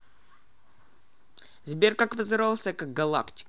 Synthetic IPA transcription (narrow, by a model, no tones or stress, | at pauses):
zbʲerkakvɨzɨɾalˠsʲəkak̚ɡɐlˠa̰ktʲɪ̥